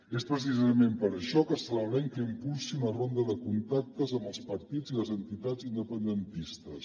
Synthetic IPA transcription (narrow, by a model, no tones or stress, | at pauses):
espɾəs̬izəmempəɾəʃɔkəsələlɛŋkəimpulˠsiunərond̪əðəkunt̪ak̚t̪əzəmbəlˠspəɾt̪id͡ziləzənt̪it̪ad͡zind̪əpənd̪ənt̪ist̪əs